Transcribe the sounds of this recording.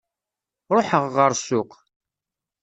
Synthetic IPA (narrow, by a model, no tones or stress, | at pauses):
ɾˤoħəʁːəɾˤsʊq